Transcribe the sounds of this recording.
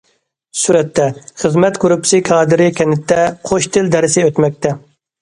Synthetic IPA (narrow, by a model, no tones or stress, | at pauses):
suɾɛt̪ʰːɛχəzmɛt̪koɾupsɪkʰɑːd̪ɪɾɪkʲʰɛnɪt̪ʰːɛqʰoʃt̪ʰɪld̪ɛɾɪsɪøt̪mɛk̚ʲt̪ʰɛ